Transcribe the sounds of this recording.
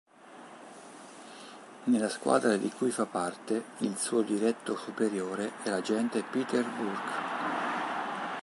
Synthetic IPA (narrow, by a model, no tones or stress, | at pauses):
nelaskwa̰ːd̪ɾad̪ikujfapːart̪eilsuːod̪iɾɛt̪ːosupeɾjoːɾeɛlad͡ʒɛnt̪epit̪erburɡ̥